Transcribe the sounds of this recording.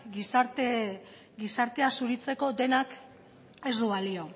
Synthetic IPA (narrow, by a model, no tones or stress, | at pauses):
ɡisaɾt̪e | ɡisaɾt̪e̞asuɾit͡se̞ko̞d̪e̞nak | e̞zd̪uβalio̞